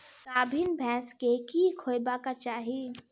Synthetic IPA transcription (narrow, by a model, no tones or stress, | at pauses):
kaːbʱinbʱɛ̃ːskekikʰoːjbakat͡ʃaːɦi